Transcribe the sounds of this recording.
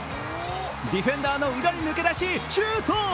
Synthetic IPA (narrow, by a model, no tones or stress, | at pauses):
d̪ʲiɸẽ̞nd̪aːnoid̪aɾʲinɯke̞d̪aɕit͡ɕɯt̪o